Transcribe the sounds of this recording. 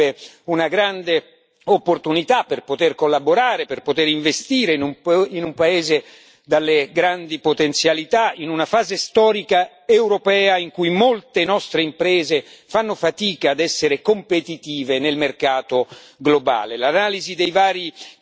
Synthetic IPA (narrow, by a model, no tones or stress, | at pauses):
e | unaɡɾand̪e | opːort̪unit̪apːerpot̪erkolːaboɾaːɾeperpot̪eɾiɱvest̪iːɾenuminumpaeːze | d̪alːeɡɾand̪ipot̪ent̪sjalit̪ainunafaːzest̪ɔːɾika | ewɾopɛːaiŋkujmolt̪enɔst̪ɾeimpɾɛːzefanːofat̪iːkaːd̪ɛsːeɾekompet̪it̪iːvenelmerkaːt̪o | ɡloba̰ːlelanaːlizid̪ejvaːɾi